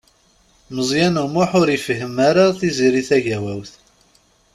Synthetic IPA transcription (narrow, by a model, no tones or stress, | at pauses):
məzˤjænumʊħʊɾifəɦəmaɾaθiziɾiθæʝæwæwθ